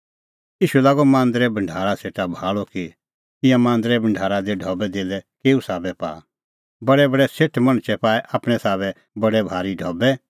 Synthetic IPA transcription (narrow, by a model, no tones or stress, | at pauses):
iːʃulaːɡomãːnd̪əɾɛbɐ̃ɳɖʱaːɾaseːʈabʱaːɭoki | ɪ̃jãmãːnd̪ɾɛbɐ̃ɳɖʱaːɾad̪eɖʱɔːbɛd̪eːlɛkeːusaːbɛpa̰ː | bɐɽɛbɐɽɛseːʈʰmɐ̃ɽ̃t͡ʃɛpaːɛʔaːpɽ̃ɛ̃saːbɛ | bɐɽɛbʱaːɾiɖʱɔːbɛ